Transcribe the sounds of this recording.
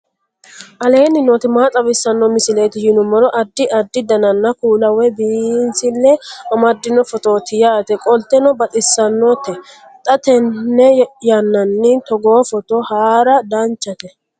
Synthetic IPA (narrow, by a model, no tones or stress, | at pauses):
ʔɐle̞ːnːɪnɔt̪ɪmaːt͡sʼɐbɪsːɐnːɔmɪsɪle̞ːt̪ɪjɪnʊmɔɾɔʔɐd̪ːɪʔɐd̪ːɪd̪ɐnɐnːɐkuːlɐwɛbinsɪlːɛɐmɐd̪ːɪnɔfɔt̪oːt̪ɪjaːt̪ɛkʼɔlt̪ɛnɔbɐt̪ʼɪsːɐnːɔt̪ːɛ | t̪ʼɐt̪ɛnːɛjɐnːɐnːɪt̪ɔɡoːfɔt̪ɔhaːɾɐd̪ɐnt͡ʃːɐt̪ɛ